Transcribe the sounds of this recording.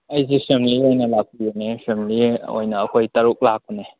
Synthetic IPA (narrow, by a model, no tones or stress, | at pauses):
ɐjzisemliojnɐlak̚ujunesemlio̰jnɐːkʰojtɐɾuk̚lak̚une